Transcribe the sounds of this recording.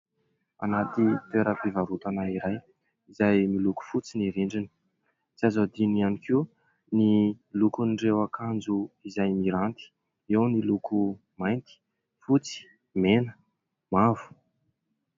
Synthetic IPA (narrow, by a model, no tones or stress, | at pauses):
a̰nat̪it̪eɾəpivaɾut̪anaiɾaj | izajmiluku̥fut͡siniɾiɳɖ͡ʐini̥ | t͡siazad̪inianikiw | nilukunɖ͡ʐewakʰand͡zuizajmiɾant̪i̥ | ewniluku | majnt̪i̥ | fut͡si̥ | menə̥ | mavu̥